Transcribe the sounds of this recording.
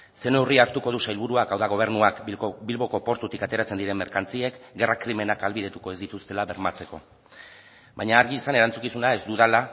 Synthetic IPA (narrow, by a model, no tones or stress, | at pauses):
se̞ne̞wriaɾt̪uko̞ð̞usajlβuɾuakawðaɣ̞o̞β̞e̞ɾnuakbilβo̞ko̞po̞ɾt̪ut̪ikat̪e̞ɾat͡se̞nd̪iɾe̞mːe̞ɾkant͡sie̞kɡe̞rakɾime̞nakalβiðe̞t̪uko̞e̞zd̪it̪ust̪e̞laβe̞ɾmat͡se̞ko̞̰ | bajɲaːɾɣiːsane̞ɾant͡sukisunae̞zd̪uðala